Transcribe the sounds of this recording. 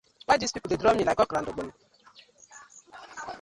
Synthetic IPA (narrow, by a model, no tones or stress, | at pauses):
k͡pad͡ʒispipdedɾɔmɲilakɔkɾan̩dʊk͡pʊn̩